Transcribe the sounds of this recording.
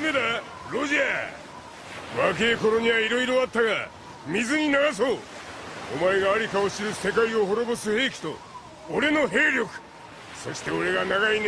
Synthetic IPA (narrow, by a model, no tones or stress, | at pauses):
med̪a | ɾo̞ʑia | βake̞ːko̞ɾo̞ɲ̟iβaiɾo̞iɾo̞at̪ːaɡa | mʲizɨɲ̟inaɡas̬o̞ː | o̰maeɡaːɾʲikao̞ɕiɾɯ̟se̞kaio̞ɦo̞ɾo̞bo̞sɨhe̞ːkʲi̥t̪o̞̰ː | ɾe̞no̞ɦe̞ːɾʲo̞kɯ̟̥ | so̞ɕi̥t̪e̞o̞ɾe̞ɡanaɡain